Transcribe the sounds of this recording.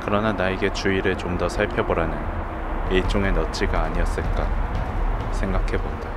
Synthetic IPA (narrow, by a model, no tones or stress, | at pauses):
kɯɾʌnanaeɡe̞t͡ɕuiɾɯɭt͡ɕomdʌsʰaɭpʰjʌboɾanɯn | et͡ɕ͈oŋe̞nʌt͡ɕʰiɡaːɲiʌs͈ɯɭk͈a | sʰe̞ŋɡakʰe̞bod̥a